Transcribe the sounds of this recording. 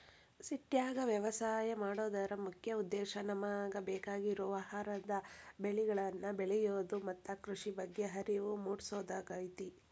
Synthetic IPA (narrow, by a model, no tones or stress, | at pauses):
siʈjaːɡɐʋjɐʋɐsaːjɐmaːɽoːd̪aːɾɐmukʰjɐud̪ːɛːʃɐnɐmaːɡɐbɛːkaːɡiɾuʋɐɦaːɾɐd̪ɐbeɭiɡɐɭɐnːɐbeɭɛjoːd̪umɐt̪ːɐkɾuʂibɐɡːeɦɐɾiʋumuːɽsoːd̪ɐɡɐjt̪i